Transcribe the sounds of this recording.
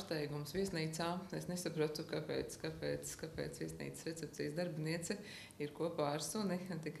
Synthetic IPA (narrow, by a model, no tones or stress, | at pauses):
st̪ɛjɡumsʋiɛsniːt̪saːesnesapɾuɔt̪ukapɛ̰ːt̪skapɛːt̪skapɛ̰ːt̪svʋiɛsnḭːt̪sɾet̪sɛp̚t̪siːsd̪aɾbʲiniɛt̪sɛ | iɾkuɔpaːɾsunit̪ik